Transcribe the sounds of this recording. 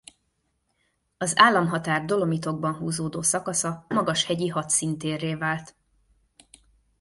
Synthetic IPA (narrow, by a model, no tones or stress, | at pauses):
ɒzaːlːɒmɦɒt̪aːrd̪o̞lo̞mit̪o̞ɡ̚bɒnɦuːzoːd̪oːsɒkɒsɒmɒɡɒʃhɛɟiɦɒt̪sint̪eːrːeːvaːlt̪